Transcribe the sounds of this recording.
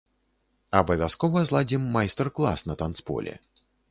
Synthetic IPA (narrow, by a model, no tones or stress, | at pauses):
ɐbɐvʲaskɔvɐzlˠad͡zʲimːajst̪ɛrklˠa̰snɐt̪ant̪spɔ̰lʲɛ̰